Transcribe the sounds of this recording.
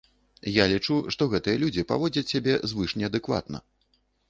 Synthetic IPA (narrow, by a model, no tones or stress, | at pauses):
jalʲit͡ʂuʂt̪ɔɣɛt̪ɨjɐlʲud͡zʲipa̰vɔd͡zʲɐt͡sʲːabʲɛzvɨʂnʲɛɐd̪ɨkva̰t̪nɐ̰